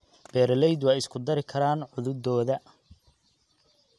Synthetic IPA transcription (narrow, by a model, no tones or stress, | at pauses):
b̥ɛːɾɐlɛjd̪wɑːɪskʰʊd̪ɐɾɪkʰɐɾaːnʕʊðʊd̪ɔːðɐ